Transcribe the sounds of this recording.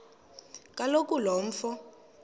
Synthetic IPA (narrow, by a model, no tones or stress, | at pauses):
kʼalokʼulɔɱ̩fɔ